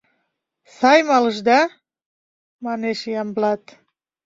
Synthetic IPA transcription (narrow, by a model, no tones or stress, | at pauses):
sɑjmɑləʃd̪ɑ | mɑneʃijɑmblɑt̪